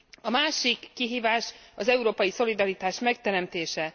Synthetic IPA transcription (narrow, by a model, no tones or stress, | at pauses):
ɒmaːʃikːiɦiːvaːʃɒzɛuɾoːpɒjiso̞lid̪ɒɾit̪aːʃmɛk̚t̪ɛɾɛmt̪eːʃɛ